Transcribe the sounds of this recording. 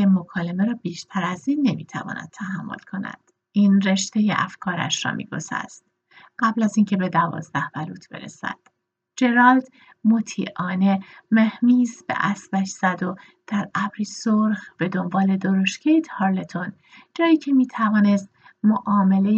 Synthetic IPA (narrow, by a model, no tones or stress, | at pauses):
emokʰɒːle̞meɾɒːbiːʃt̪ʰæɾæziːnːe̞mḭːt̪ʰæ̰vɒ̰ːnæ̰d̪̚t̪ʰæhæmːo̞̰lkʰo̞næ̰d̪̥ | ʔiːnre̞ʃt̪e̞jḛʔæ̰fkʰɒːɾæ̰ʃɾɒ̰ːmḭːɡo̰sæ̰st̪̚ | ɢ̥æblæziːncʰebe̞d̪ævɒ̰ːzd̪æhb̥æluːt̪ʰb̥e̞̰ɾḛsæ̰d̪̥ | d͡ʒe̞ɾɒːld̪ | mot̪ʰiːʔɒːne̞mehmiːzb̥ḛʔæsbæʃz̥æd̪o̞ | d̪̥æɾæbɾiːsoɾxb̥e̞d̪o̞mbɒːle̞d̪oɾoʃcʰejt̪ʰhɒːɾlet̪ʰon | d͡ʒɒːjiːcʰe̞miːt̪ʰævɒːne̞st̪moʔɒːme̞le̞